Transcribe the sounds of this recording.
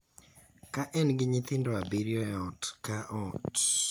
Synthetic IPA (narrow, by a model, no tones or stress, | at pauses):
kaʔɛnɡiɲiθindɔabiɾiɔɔtkaʔɔt